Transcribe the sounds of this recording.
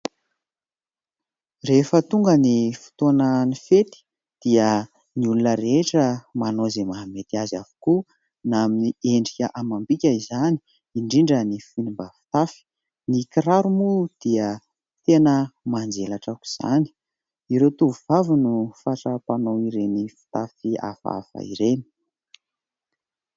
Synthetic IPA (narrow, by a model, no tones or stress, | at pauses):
refət̪uŋɡənifu̥t̪onanifet̪i̥ | d̪̥iə | niulunəɾeʈ͡ʂəmanozemaɦamet̪iazavu̥ku | naminieɳɖ͡ʐikʲəʔamambikʲaizani̥ | iɳɖ͡ʐiɳɖ͡ʐənifinimbafi̥t̪afi̥ | nikiɾaɾumud̪̥iə | t̪enəmand͡zelaʈ͡ʂaku̥z̥a̰ni̥ | iɾet̪uvuv̥avinufaʈ͡ʂapanoiɾenifi̥t̪afia̰fa̰fa̰ḭɾeni̥